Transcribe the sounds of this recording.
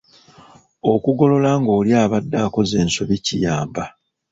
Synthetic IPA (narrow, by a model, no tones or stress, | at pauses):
o̞kuɡo̞lo̞laŋɡo̞ːljaːβadːaːko̞ze̞ːnso̞βicijaːmba